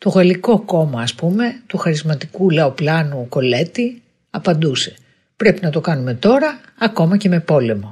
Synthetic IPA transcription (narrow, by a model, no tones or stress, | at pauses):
t̪o̞ɣɐliko̞ko̞mɐːspume̞t̪uxɐɾizmɐt̪ikulɐo̞plɐnuko̞le̞t̪i | ɐpɐnd̪use̞̥ | pɾe̞pinɐt̪o̞kɐnume̞t̪o̞ɾɐː | ko̞mɐce̞me̞po̞le̞mo̞